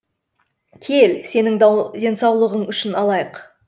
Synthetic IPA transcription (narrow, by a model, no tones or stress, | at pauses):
kʲʰe̞lse̞nɪŋd̪ʲe̞nsɑwlˠəʁəɴʏʃɪnɑlˠɑjəq